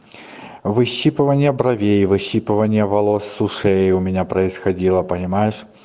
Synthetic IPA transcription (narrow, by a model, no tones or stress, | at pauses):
vɨɕːipɨvənʲɪjəbɾɐvʲejvɨɕːipɨvənʲɪjəvɐlˠosːʊʂɛjʊmʲɪnʲapɾəɪsxɐdʲilˠəpənʲɪmajɪʂ